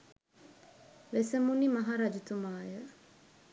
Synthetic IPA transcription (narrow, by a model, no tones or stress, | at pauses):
ʋesɐmunimɐɦaɾɐd͡ʒut̪umaːjə